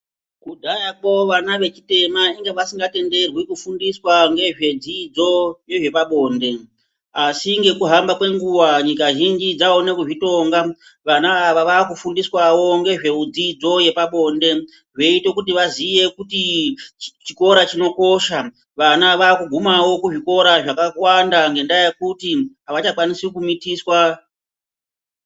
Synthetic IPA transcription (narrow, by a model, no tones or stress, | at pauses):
kudʱajapo̞ʋanaʋe̞t͡ʃi̥te̞maiŋɡeʋasiŋɡate̞nde̞rwikufundiswaŋɡe̞ʐe̞d͡zid͡zo̞je̞ʐe̞paɓo̞ːnde̞ | asiŋɡe̞kuɦambakwe̞ŋɡuwaɲikaʒind͡ʒid͡zaonekuʐito̞ŋɡa | ʋanaːʋaʋaːkufundiswawo̞ŋɡe̞ʐe̞ud͡zid͡zo̞je̞paɓo̞nde̞ | ʐe̞ite̞kut̬iʋazije̞kuti | t͡ʃiko̞ɾat͡ʃino̞ko̞ʃa | ʋanaʋaːkuɡʱumawo̞kuʐiko̞ɾaʐakawandaŋɡe̞ndajekutiɦaʋat͡ʃakwanisikumitiswa